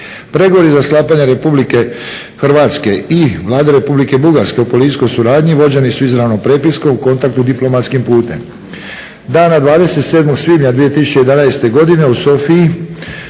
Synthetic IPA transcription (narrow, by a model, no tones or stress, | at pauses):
pɾe̞ɡo̞ʋo̞ɾizaslˠaːpaɲeɾe̞publike̞ | xrʋaːt̪ske̞iʋlˠaːd̪eɾe̞publike̞buɡaɾske̞upo̞lit̪i̥sko̞jsuɾaːd̪ɲiʋo̞d͡ʑe̞nisuizɾaʋno̞pɾe̞ːpisko̞muko̞nt̪akt̪ud̪iplˠo̞mat̪skimpuːt̪e̞m | d̪aːnad̪ʋaːd̪e̞se̞t̪se̞ːd̪mo̞ɡsʋiːmɲad̪ʋije̞t̪isu̥t͡ʃe̞je̞d̪anaest̪e̞ɡo̞d̪ine̞uso̞fiji